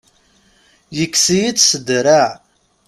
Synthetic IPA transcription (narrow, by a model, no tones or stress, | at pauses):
jəkːsijit͡ssəd̪ɾa